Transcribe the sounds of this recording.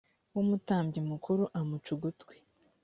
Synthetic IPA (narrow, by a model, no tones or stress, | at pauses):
wumutaːmbɟimukʰuɾuʔamut͡ʃuɡutwe̥